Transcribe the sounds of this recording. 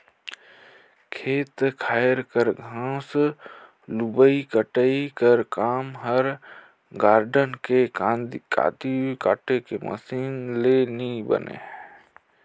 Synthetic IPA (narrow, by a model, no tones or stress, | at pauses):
kʰeːt̪kʰaːɪɾkəɾɡʱãːs | lubəikəʈəikəɾkaːmɦəɾ | ɡaːɾɖənkeka̰ːt̪ika̰ːʈekemə̰siːnlenibə̰nḛ